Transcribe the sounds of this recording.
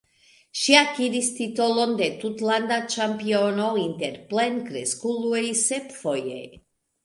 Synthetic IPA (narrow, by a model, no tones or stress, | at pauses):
ʃiakiɾist̪it̪olond̪et̪ut̪land̪at͡ʃampionoint̪eɾplenkɾeskuluejsepfojḛj